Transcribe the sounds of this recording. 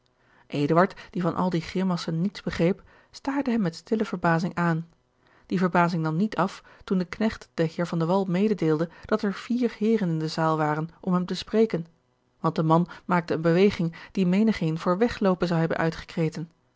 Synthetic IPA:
ʔejdəʋɑɹtd̥ivɑnʔɑ̰lˠdiχɪmɑsənːitzb̥əχrejp | staːɹdəɦɛmːɛtstɪləvəɹbaːzɪŋʔaːn | d̥ivəɹbaːzɪŋdɑnnːitʰɑf | tundəknɛχtd̥əɦɪːɹvɑndəʋɑlˠmejdədeːlˠdəd̥ɑtɛɹv̥iːɹhɪːɾənɪndəzaːlˠʋaːrənʔɔmɦɛmtəsprejkən | ʋɑnt̚dəmɑnmaːk̚təənbəʋejχɪŋd̥imejnəχejnv̥ʊːɹʋɛχlowpənzɑwɦɛbənʔœ̰ɥtχə̥krejtən

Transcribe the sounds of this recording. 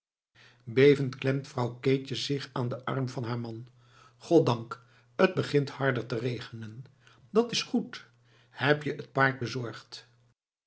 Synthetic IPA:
bejvəntklɛmtfrɑwkeːt͡ʃəzɪχaːndəʔɑ̰rmvɑnɦaːɹmɑn | χɔt̚dɑŋk | əd̚bəχɪnthɑɹdəɹtərejχənən | dɑtɪsχut | hɛpjəʔət̚paːɹt̚bəzɔɹχt

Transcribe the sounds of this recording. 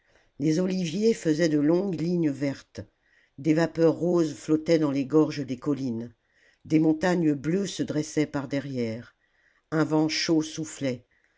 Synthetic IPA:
lezɔlivjefəzɛd̪əlɔ̃ɡliɲəvɛʁt̪ | d̪evapœʁːozflɔt̪ɛd̪ɑ̃leɡɔʁʒəd̪ekɔlin | d̪emɔ̃t̪aɲbløsəd̪ʁɛsɛpaʁd̪ɛʁjɛːʁ | ɛ̃vɑ̃ʃosuflɛ

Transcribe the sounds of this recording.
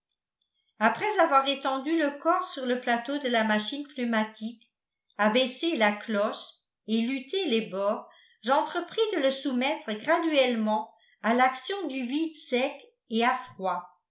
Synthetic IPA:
apχɛzavwaʁet̪ɑ̃d̪yləkɔʁsyʁləplat̪od̪əlamaʃinklymat̪ʰik | abeselaklɔʃ | elyt̪ʰelebɔːʁ | ʒɑ̃t̪χəpχid̪ələsumɛt̪χəɡʁad̪yɛlmɑ̃ | alaksjɔ̃d̪yvid̪sɛk | eafχwa

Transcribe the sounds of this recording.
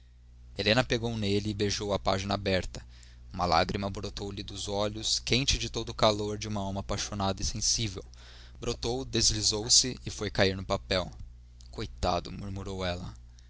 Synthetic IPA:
elẽnɐpeɡownelɪːbeʒowɐpa̰ʒinɐabɛɾt̪ɐ̥ | umɐla̰ɡɾimɐbɾot̪owlɪd̪ʊzɔʎʊskẽt͡ʃɪd͡ʒɪt̪od̪ʊkaloɾd͡ʒɪũmɐawmɐːpajʃonad̪ɐɪsẽsivḛw | bɾot̪owd̪ezlizowsɪɪfojkaiɾnʊpapɛw | kojt̪a̰d̪ʊ̰muɾmuɾowɛlɐ

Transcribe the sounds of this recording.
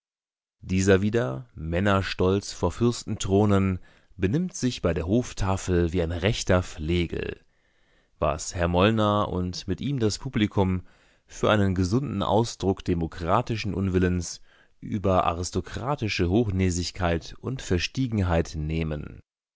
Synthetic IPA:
d̥iːzɐviːdɐmɛnɐʃtɔlt͡sfoːɐfʏɐstn̩tʁ̥oːnən | bənɪmtz̥ɪçb̥aɪdeːɐɦoːftʰaːfl̩viːaɪnʁɛçtɐfleːɡl̩ | va̰shɛɐmɔlnɐʔʊ̰ntmɪtʔiːmdaspʰuːblikʰʊm | fyːɐʔaɪnənɡəzʊndn̩ʔa̰ʊsd̥ʁʊkd̥emokʁ̥aːtɪʃn̩ʔʊnvɪləns | ʔy̰ːbɐʔa̰ʁɪstokʁ̥aːtɪʃəɦoːxnɛːzɪçkʰaɪtʔʊntfɛɐʃtiːɡŋ̩ɦaɪtneːmən

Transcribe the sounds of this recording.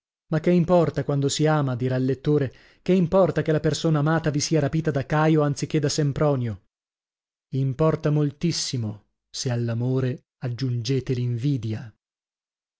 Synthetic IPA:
makːeimpɔrt̪akwand̪osiaːmad̪iːɾalːet̪ːoːɾe | keimpɔrt̪akelapersoːnaːmaːt̪avisiːaɾapiːt̪ad̪akːaːjoant̪sik̟ːed̪ːasempɾɔːnjo | impɔrt̪amolt̪isːimo | sealːamoːɾe | ad͡ʒːund͡ʒeːt̪eliɱviːd̪ja

